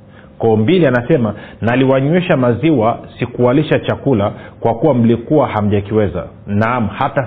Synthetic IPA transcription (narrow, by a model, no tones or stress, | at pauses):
kɔːmbilianasɛmanaliwaɲwɛʃamaziwasikuwaliʃat͡ʃakulakwakuwam̩likuwaham̩ʄakiwɛza̰nam̩hata